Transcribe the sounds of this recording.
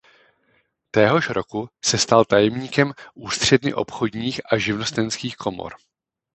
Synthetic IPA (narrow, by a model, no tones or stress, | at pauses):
t̪ɛːɦo̞ʃɾo̞kusɛst̪alt̪ajɛmɲiːkɛmʔuːst̪r̝̥ɛdnɪʔopxo̞dɲiːxʔaʒɪvno̞st̪ɛnskiːxkʰo̞mo̰ɾ